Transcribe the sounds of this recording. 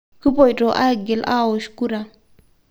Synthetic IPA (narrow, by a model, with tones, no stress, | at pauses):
ki˦po˨jto˨ʔa̰˦˨ɡe˨lʔa̰˦˨wo˨ʃku˦ɾa˨